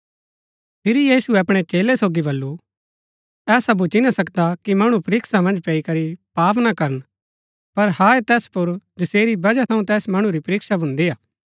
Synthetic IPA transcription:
pʰɪɾjiːsuɛɐpɽ̃et͡ʃeːlɛsoːɡibɐlːu | ɛːsabʊt͡ʃinasɐkd̪akimɐɽ̃ũpɐɾɪːksamɐ̃nd͡ʒpɛikɐɾipaːp̬nakɐɾən | pɐɾhaet̪ɛːspʊɾd͡ʒɐseːɾibɐd͡ʒat̪ʰɐũt̪ɛːsmɐɽ̃ũɾipɐɾɪːksabʱʊ̃nd̪iaː

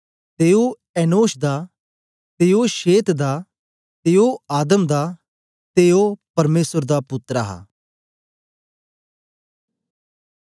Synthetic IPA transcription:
t̪eːo | ɛːnoːʃd̪aː | t̪eːoʃeːt̪d̪aː | t̪eːoaːd̪əmd̪aː | t̪eːopɐɾmeːsəɾd̪apʊt̪ːɾaɦa̰ː

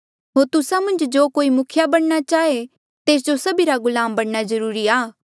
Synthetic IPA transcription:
ɦoːɾt̪ʊsamɐ̃nd͡ʒd͡ʒoːkoːimʊkʰɪjabɐɽ̃nat͡ʃaːe | t̪eːs̬d͡ʒosɐbiɾaɡʊlaːmbɐɽnazɐɾuːɾiaː

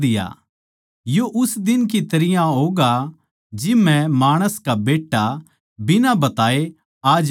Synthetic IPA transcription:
d̪ɪja̰ | joʔʊsd̪ɪnk̬it̪ɐɾɪjãɦoːɡa | d͡ʒɪmɛ̃maːɽ̃əskabeːʈːa | bɪnabɐt̪aːe | aːd͡ʒ

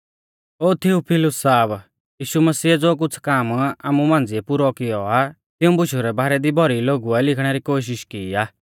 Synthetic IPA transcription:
oːt̪ʰiupʰɪlʊsːaːb | jiːʃuməsiːd͡zoːk̬ʊt͡sʰkaːmaːmumãːnd͡ziɛpuɾɔkɪjɔa | t̪ɪũbʊʃuɾɛbaːɾɛd̪ibʱɔɾiloːɡuɛlɪkʰɽ̃ɛɾikoːʃ̬ɪʃkiːaː

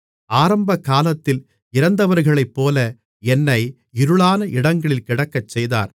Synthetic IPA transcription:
aːɾɐmbɐkːaːlɐt̪ːɪl | ɪɾɐnd̪ɐʋɐɾɣɐɭɐɪpːoːlɐ | ɛnːɐɪ | ɪɾɯɭaːnɐʔɪɽɐŋɡɐɭɪlkɪɽɐkːɐt͡ʃːɛjða̰ːɾ

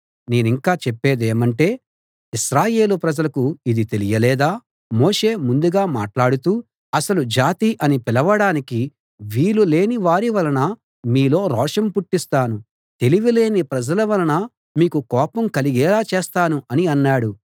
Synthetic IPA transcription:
ne̞ːniŋkaːt͡ʃɛpːeːd̪eːmɐɳʈe̞ː | iʃɾaːje̞ːlupɾɐd͡ʒɐlɐkuid̪it̪e̞lijɐlɛːd̪aː | mo̞ːʂe̞ːmund̪uɡaːma̰ːʈlaːɽut̪uː | ɐsɐlud͡ʒaːt̪iʔɐnipilɐʋɐɽaːniki | ʋiːlule̞ːniʋaːɾiʋɐlɐnɐ | miːlo̞ːɾɔːʂɐmpuʈːist̪aːnu | t̪e̞liʋile̞ːnipɾɐd͡ʒɐlɐʋɐlɐnɐ | miːkukɔːpɐmkɐliɡɛːlaːt͡ʃeɛːst̪aːnuɐniɐnːaːɽu

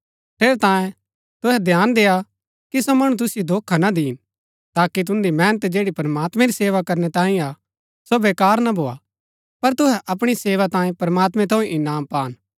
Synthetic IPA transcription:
t̪ʰeːɾet̪ãːjẽ | t̪ʊɦɛd̪ʱjaːnd̪eːa | kisomɐɽ̃ũt̪̬ʊsɪjod̪ʱoːkʰːanad̪iːn | t̪aːkit̪̬ʊ̃nd̪imɛːnət̪d͡ʒeːɽipɐɾmaːt̪mɛ̃ɾiseːʋakɐɾnɛt̪ãːĩa | sobeːkaːɾnabʱoːa̰ | pɐɾt̪ʊɦɛʔɐp̬ɽ̃iseːʋat̪ãːẽpɐɾmaːt̪mɛ̃t̪ʰoːẽʔɪnaːmpaːn

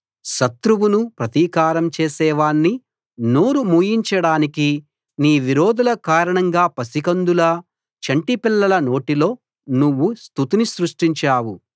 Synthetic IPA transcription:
ʃɐt̪ɾuwunupɾɐt̪iːkaːɾɐmt͡ʃeːsɛːʋaːɳːi | noːɾumuːjiɲt͡ʃɐɽaːniki | niːʋiɾo̞ːd̪ulɐkaːɾɐɳɐŋɡaːpɐsikɐnd̪ulɐ | t͡ʃɐɳʈipilːɐlɐno̞ːʈilo̞ː | nuʋːust̪ut̪inisɾuʂʈiɲt͡ʃaːwu

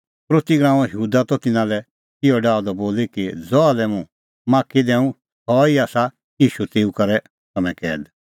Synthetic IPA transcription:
pɾoːt̪iɡɾãːɔ̃jəɦuːd̪at̪ɔt̪ɪnãlɛ | ɪɔɖaːɔd̪ɔboːlikid͡zɔalɛmũ | mãːkid̪ɛ̃ːũ | hɔːiaːsa | iːʃut̪eːukɐɾɛ | t̪ɐmɛ̃kɛːd̪

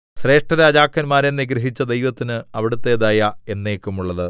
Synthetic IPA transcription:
ɕre̞ːʂʈrɐɾaɐd͡ʑaːkːɐnmaːɾenːiɡɾɐɦit͡ɕːɐd̪e̞jʋɐt̪ːinɨɐʋiɽut̪ːe̞ːðaːjɐe̞nːe̞ːkːumuɭːɐðɨ

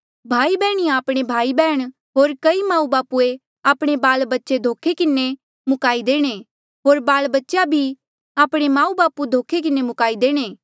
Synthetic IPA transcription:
bʱaːibɛːɽ̃iaːpɽ̃ebʱaːibɛːɽ̃ | ɦoːɾkɐimãːũbaːpue | aːpɽ̃ebaːlbɐtːʃed̪ʱoːkʰekɪne | mʊkaːid̪eːɽ̃e | ɦoːɾbaːlbɐtːʃjabʱi | aːpɽ̃emãːũbaːpud̪ʱoːkʰek̬ɪnemʊkaːid̪eːɽ̃eː

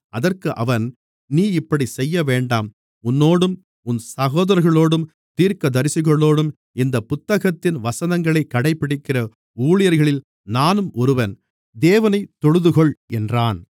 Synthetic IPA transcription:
ʔɐðɐrkɯʔɐʋɐn | niːɪpːɐɽisɛjːɐʋeːɳɖaːm | ʊnːoːɽɯm | ʊnsɐɣoːðɐɾɐɾɣɐɭoːɽɯm | t̪iːɾkɐd̪ɐɾɪsɯɣɐɭoːɽɯm | ɪnd̪ɐpʊt̪ːɐɣɐt̪ːɪnʋɐsɐnɐŋɡɐɭɐɪkːɐɽɐɪpːɪɽɪkːɪrɐ | uːɭɪjɐɾɣɐɭɪl | naːnɯmʔɔɾɯʋɐn | d̪eːʋɐnɐɪt̪ːɔɻɯðɯɣɔɭɛndraːn

